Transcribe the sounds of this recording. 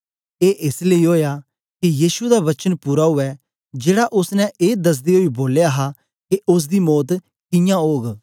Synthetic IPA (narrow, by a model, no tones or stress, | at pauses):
eːʔɪsleiɦoːjaː | kijiːʃud̪aʋɐt͡ʃənpuːɾaɦʊɛ | d͡ʒeːɽaʔʊsnɛ̃ʔeːd̪ɐs̬d̪eɦoiboːljaɦa | keʔʊs̬d̪imɔːt̪ | kɪ̃jãoːɡ